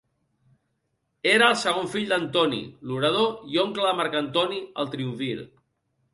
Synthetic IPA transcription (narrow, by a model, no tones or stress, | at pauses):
eɾəːlˠsəɣ̞oɱfiʎd̪ənt̪ɔnḭluɾəð̞oioŋkləðəmaɾkant̪ɔniə̰lˠt̪ɾiuɱfil